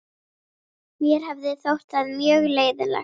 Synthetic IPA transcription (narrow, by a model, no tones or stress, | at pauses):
mjɛɾhavðɪθowɾ̥t̪aðmjœːɣleːjðʏla̰